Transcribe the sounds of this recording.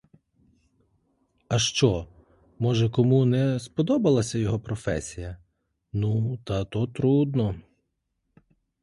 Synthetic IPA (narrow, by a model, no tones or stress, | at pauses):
ɐʃt͡ʃɔ | mɔʒɛkɔmunɛspɔd̪ɔbɐlˠɐsʲɐjɔɦɔpɾɔfɛsʲijɐ | nut̪ɐt̪ɔt̪ɾud̪nɔ